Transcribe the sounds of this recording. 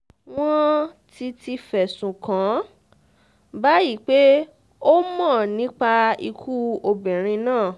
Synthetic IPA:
w̃ɔ̃˦ti˧ti˧fɛ˨sũ˨kã˨˦ | ba˨˦ji˦˨k͡pe˦ | o˦mã˦˨nĩ˨˦k͡pa˧i˧kʰu˦o˧bɛ̃˨ɾ̃ĩ˧nãː˦˨

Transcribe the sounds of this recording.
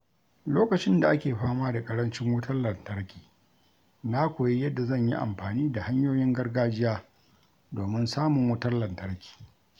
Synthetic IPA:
loː˦kɐ˨t͡ʃɪ˦nda˨ʔa˦kʲeː˨ɸaː˦maː˦da˨kʼɐ˦ɽɐ˦nt͡ʃɪ˦ŋwʊ˦tʰɐ˦rlɐ˨ntɐ˦ɽkʲi̥ː˨ | na˦kʷoː˨ji˦jɐ˦dːa˨zɐ˦˨ɲjḭ˦ʔa̰˨mɸaː˨niː˦da˨ha˦ɲjoː˦jɪ˦ŋɡɐ˦rɡaː˦d͡ʒɪ˦jaː˦ | doː˨mɪ˦nsaː˦mʊ˨ŋwʊ˦tɐ˦rlɐ˨ntɐ˦ɽkʲi̥ː˨

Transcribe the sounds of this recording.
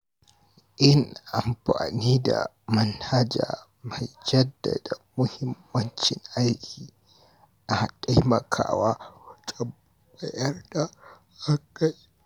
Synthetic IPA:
ʔɪ˦nʔa˨mɸa̰ː˨niː˦da̰˨ | mɐ˦nha˦d͡ʒa̰ː˨ | ma˨jd͡ʒɐ˦dːa˨da˨mʊ˦hɪ˦mːɐ˦nt͡ʃɪ˨ŋʔa˦jkʲʰiː˨ | na˨ta˦jmɐ˨kʰa̰ː˦waː˦tʼɐ˨b | bɐ˨jɐ˦rda˨ | ha˦ka˦j

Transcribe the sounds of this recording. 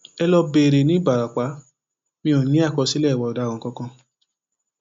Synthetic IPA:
ɛ˧lɔ˧be˨ɾe˨nĩ˨˦ba˨ɾa˨k͡pa˨˦ | mĩ˧õ˨nĩ˦a˦˨kɔ˧si˦lɛ˦˨wɔ˨˧ɔ˨da˨˦kɔ̃˨kɔ̃˧˦kã˧

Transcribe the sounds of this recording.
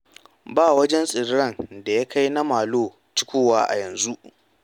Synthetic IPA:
baː˦wɐ˦d͡ʒɛ˦nsʼɪ˨ɽɐ˦˨nda˨ja˦kʰa˦jna˦maː˨loː˦˨ | t͡ʃɪ̥˦kʷoː˦waː˦ʔa̰˨jɐ˨nzu˦ʔ

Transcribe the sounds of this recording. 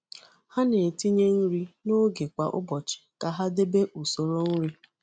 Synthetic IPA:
ha˦ne˨ti˦ɲe˦n̩˦ɾi˦no˦ɡe˨kʷa̰˨ʔʊ̰˦bɔ˨t͡ʃɪ̥˨ka˨ɦa˦de˦be˦ʔu˨so˨ɾo˦n̩˦ɾi˦

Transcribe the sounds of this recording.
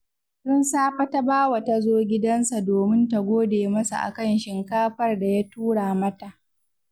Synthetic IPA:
sʊ˦nsaː˦ɸa˦ta˦baː˦wɐ˨ta˨zoː˦ɡʲɪ˦dɐ˦nsa˨doː˨mɪ˦nta˨ɡʷoː˦deː˨mɐ˦sa̰˨ʔa̰˨kɐ˦nʃɪ˨ŋkaː˦ɸɐ˦rda˨ja˦tuː˦ɽaː˨mɐ˦ta˨ʔ

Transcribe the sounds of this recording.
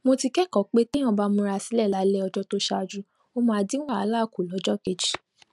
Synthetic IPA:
mo˧ti˧kɛ˦kɔ˨˦k͡pe˦kĩ˦ɔ̃˧˨ba˦mũ˧˦ɾa˧si˨˦lɛ˦˨la˨˦lɛ˦ɔ˧d͡ʒɔ˦to˦ʃa˧d͡ʒu˧ | o˦˧mã˧˨˧dĩ˦a˦˨a˨˦laː˦˨ku˨lɔ˨˦d͡ʒɔ˦˨ke˨d͡ʒi˨

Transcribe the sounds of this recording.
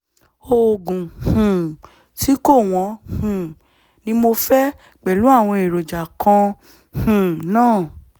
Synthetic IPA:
o˧˨ɡũ˨hũ˨ | ti˨˦ko˦˨w̃ɔ̃˧˦hũ˨ | nĩ˦mo˧fɛ˦ | k͡pɛ˨lu˨˦a˦˨w̃ɔ̃˧e˨ɾo˨d͡ʒa˨kã˧ | hũ˨nãː˦˨

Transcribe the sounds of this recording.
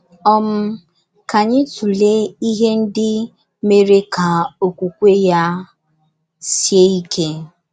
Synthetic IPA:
ɔ˦m̩˦ | ka˨ɲɪ˦tu˨le˦i˦ɦe˦n̩˦dɪ˦ | me˦ɾe˦ka˨o˨kʷu˨kʷe˦ja˦ | sje˦i˦kʰe˦

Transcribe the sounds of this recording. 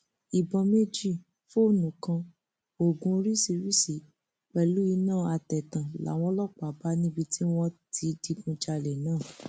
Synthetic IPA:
i˨bɔ̃˨˧me˦d͡ʒi˦˨ | fo˦˨nũ˨kã˧ | o˨ɡũ˧ɾi˦si˧ɾi˦si˨˦ | k͡pɛ˨lu˦i˧˦nãː˦˨a˧tɛ˨tã˨la̰˨˦w̃ɔ̃˧˦lɔ˦˨k͡pːba˦nĩ˦bi˧tʰi˦w̃ɔ̃˦tʰi˨˧di˧ɡũ˧d͡ʒa˧lɛ˨nãː˦˨

